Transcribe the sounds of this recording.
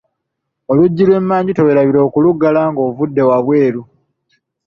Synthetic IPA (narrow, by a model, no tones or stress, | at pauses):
o̞luɟːilwe̞ːmːaːɲɟitoweɾaβiɾo̞ːkuluɡːalaŋɡo̞ːvudːe̞waβwe̞ːɾu